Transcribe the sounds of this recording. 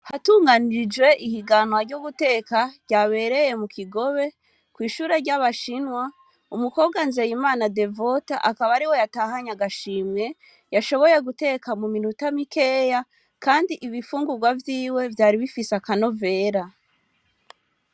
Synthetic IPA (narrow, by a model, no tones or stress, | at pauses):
hatuːŋɡaniɾid͡ʒwe̞ʔihiɡanwaɾɟuɡute̞ːkaɾɟ̥aβe̞ɾe̞je̞mukʰiɡo̞βe̞ | kwiːʃuːɾe̞ɾɟaβaʃinwa | umuko̞ːβɡanze̞jimaːnade̞vo̞taʔakaβaɾiwo̞jataːhaɲaɡaʃiːmɲe̞ | jaʃo̞βo̞je̞ɡute̞ːkamuminutamike̞ːja | kaːndiʔiβifuːŋɡuɡwavjiːwe̞vjaːɾiβifisakano̞ve̞ːɾa